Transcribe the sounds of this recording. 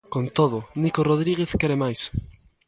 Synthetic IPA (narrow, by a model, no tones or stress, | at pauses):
kont̪oðʊnikoroð̞ɾiɣeθkeɾemajs